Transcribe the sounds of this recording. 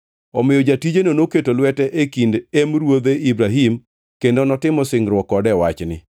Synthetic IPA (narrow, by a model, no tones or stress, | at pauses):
ɔmɪjɔd͡ʒatid͡ʒenonoketolwɛtɛʔekindemɾwod̪eibɾaɦim | kendonɔtɪmɔsɪŋɾwɔkːɔdɛwat͡ʃnɪ̰